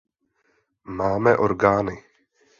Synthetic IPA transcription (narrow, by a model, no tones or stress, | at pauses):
maːmɛʔoɾɡaːnɪ